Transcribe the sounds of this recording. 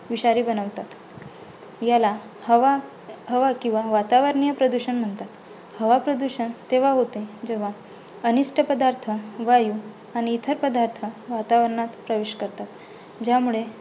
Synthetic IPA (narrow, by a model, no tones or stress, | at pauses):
ʋiɕaɾiːbənəʋt̪at̪ | jala | hʋa | ɦəʋakĩw̃ʋaʋat̪aʋəɾɳijəpɾəd̪uɕənm̤əɳt̪at̪ | həʋapɾəd̪uɕənt̪eʋaɦot̪ed͡ʑeʋ̤a | əniʂʈʰəpəd̪aɾt̪ʰəʋaju | aɽ̃iːt̪ʰəɾpəd̪aɾt̪ʰəʋat̪aʋəɾɳat̪pɾəʋeɕkəɾt̪at̪ | d͡ʑjamuɭe